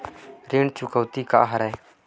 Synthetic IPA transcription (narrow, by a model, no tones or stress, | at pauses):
ɾɪɳt͡ʃʊkəːt̪ika̰ʔɦəɾɛː